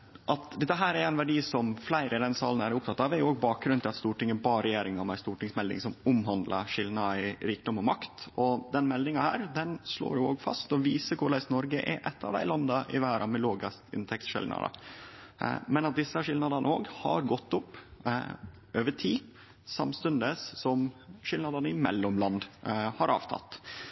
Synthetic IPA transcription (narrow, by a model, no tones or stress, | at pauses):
ʔɑt̪d̪ɛt̪ːəɦæːɾæɾæɪnʋæɖiːsɔmflæɪɾəd̪ɛnsɑ̰ːlən̩æɾʊp̚t̪ʰɑt̪ːɑʋæɾjʊoːɡbɑːk̚ɡɾʉnt̪ʰɪlɑt̪st̪uːʈɪŋːəbɑːɾɛjeːɾɪŋɔmæɪst̪uːʈɪŋsmɛld̪ɪ̰ŋsɔmʊmɦɑnd̪lɑ̰ʂɪlnɑɪɾiːk̚d̪ɔmɔmɑkt̪ɔd̪ɛnmɛld̪ɪŋɑhæːɾd̪ɛnʂlo̰ːɾjʊoːɡfɑ̰st̪ɔʋiːsəkʰʊɭæɪsnɔɾɡəʔɛ̰ʔɛt̪ːɑ̰ʋd̪æ̰ɪlɑnd̪ɑʔɪʋæːɾɑmɛloːɡəst̪ɪ̰nt̪ʰɛksʂɪ̰ldnɑ̰d̪ɑ̰ | mɛnɑt̪̚d̪ɪsːəʂɪlnɑd̪ɑnəoːɡhɑ̰ɾɡɔt̪ːʊpː | ʔøːʋəʈʰiː | sɑmst̪ʉnd̪əssɔmʂɪlnɑd̪ɑnəɪmɛ̰lːɔmlɑnd̪hɑɾʔɑ̰ːʋt̪ʰɑ̰t̪